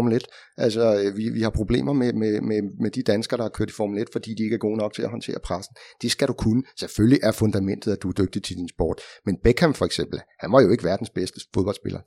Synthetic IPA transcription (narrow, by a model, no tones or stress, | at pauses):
muled̥ | ʔælsɒ̽øʋiʋihɑ̈pʰʁo̝b̥le̝̰ːmɐmemememed̥id̥ænsɡ̥ɐɾ̥ɑhɑ̈kʰøɐ̰d̥ifɒmled̥fɒ̽d̥ḭːd̥ie̝ɡ̥æɐɡ̥o̝̰ːnɒ̽ɡ̥t͡sʰe̝læɦɒnt͡sʰe̝̰ːɐpʰʁasn̩d̥e̝sɡ̥æɾ̥ukʰunəsefølliʔæɐfɔ̽nd̥æmen̰d̥ð̩ˠæd̥uæɐd̥øɡ̥̚d̥it͡sʰe̝d̥insb̥ɔ̰ːd̥menb̥ekʰæmfɒ̽eɡ̥sem̰b̥l̩hænmɒ̽jo̝e̝ɡ̥əʋæːɐd̥en̩sb̥esd̥əfoðˠb̥ɒ̽l̰sb̥e̝lɐ